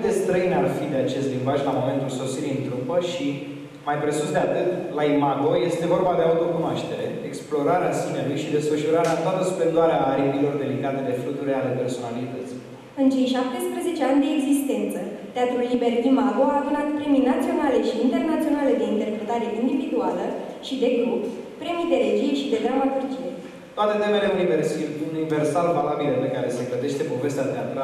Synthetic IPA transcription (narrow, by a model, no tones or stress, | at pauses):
d̪e̞st̪ɾəinarfid̪e̞at͡ʃe̞st̪limbaʒlamo̞me̞nt̪ulso̞siɾiɨnt̪ɾupəʃi | majpɾe̞susd̪e̞at̪ɨt̪laimaɡo̞je̞st̪e̞vo̞rbad̪e̞aut̪o̞kunoaʃt̪e̞ɾe̞̰eksplo̞ɾaɾeasimelujʃid̪e̞sfəʃuɾaɾeat̪oat̪əsupe̞nd̪oaɾeaːɾipilo̞rd̪e̞liɡat̪ed̪e̞fɾut̪uɾʲale̞pe̞rso̞nalit̪ət̪si̥ | ɨnt͡ʃe̞jʃap̚t̪e̞spɾəze̞t͡ʃe̞anʲd̪e̞ːɡzist̪e̞nt̪sə | t̪eat̪ɾulːibe̞rd̪imaɡoaːd̪unat̪pɾe̞mijnat̪sio̞nale̞ʃiːnt̪e̞rnat̪sio̞nale̞d̪e̞int̪erpɾe̞t̪aɾe̞ʔind̪ivid̪ualə | ʃid̪e̞ɡɾub | pɾe̞mijd̪e̞ɾe̞d͡ʒijeʃid̪e̞d̪ɾamat̪urd͡ʒije̞ | t̪oat̪e̞t̪e̞me̞le̞ununive̞rsalvalabilepe̞kaɾe̞se̞kləd̪e̞ʃt̪e̞po̞ve̞st̪eat̪eat̪ɾa